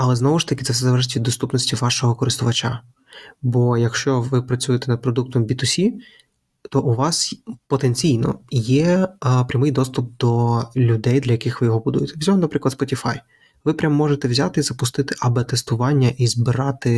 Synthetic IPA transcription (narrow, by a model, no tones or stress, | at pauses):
ɐlˠɛznɔʋʊʃt̪ɐkɪ̥ɛfsɛzɐlˠɛɾʒɪtʲʋʲid̪ːɔst̪upnɔsʲtʲiʋɑʃɔɦɔkɔɾɪst̪ʊʋɐt͡ʃa | bɔjɐkʃt͡ʃɔʋɪpɾɐt͡sʲujet̪ɛnɐd̪̚pɾɔd̪uk̚t̪ɔmbʲit̪ʊsʲi | t̪ɔʔʊʋɑspɔt̪enʲt͡sʲijnɔ̰jɛpɾʲɐmɪjd̪ɔst̪ʊp̚d̪̥ɔlʲʊd̪ɛjd̪lʲɐjɐkɪxʋɪjɔɦɔbʊd̪ṵjet̪ɛzʲɔɔmnɐpɾɪklˠd̪spɔtʲifɑ̰j | ʋɪpɾʲamːɔʒet̪ɛʋwzʲat̪ɪizɐpʊst̪ɪt̪ɪʔɐbɪt̪ɛst̪ʊʋɑnʲːɐʔizbɪɾɑt̪ɪ